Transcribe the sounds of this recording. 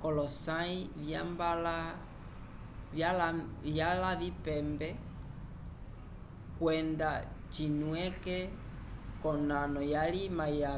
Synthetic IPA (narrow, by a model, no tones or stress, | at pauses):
kɔlɔsaivambala | vjalavipɛmbɛ | kwɛndat͡ʃinwɛkɛ | kɔnanɔjalimaja